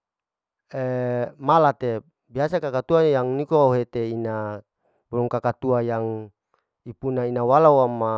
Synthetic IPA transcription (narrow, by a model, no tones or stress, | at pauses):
emalat̪e | biasakakat̪uajaŋnikooɦet̪eina | buɾuŋkakat̪uajaŋ | ipunainawalawama